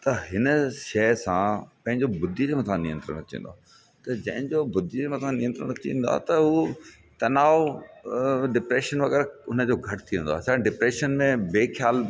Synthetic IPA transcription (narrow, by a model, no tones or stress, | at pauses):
t̪ɐɦɪnəʃɛːsãpɐ̃ɦɪ̃ɲd͡ʑobʊd̪ʱimɐ̃t̪ʰãnɪjə̃nt̪ɾə̰ɽ̃ɐt͡ɕḭ̃n̆d̪oaː | t̪ɐd͡ʑɐ̃ɦɪ̃ɲd͡ʑobʊd̪ʱimɐ̃t̪ʰãnɪjə̃nt̪ɾəɽ̃ɐt͡ɕḭ̃ːnd̪wa̰ːt̪ɐɦu | t̪ɐnaːo | ɖɪpɾeːʃənʋɐɣɛːɾʊnə̆d͡ʑoːɡʱɐʈʰt̪ʰiʋə̃nd̪oaːsãɖɪpɾeːʃənmẽbeːxʰjaːl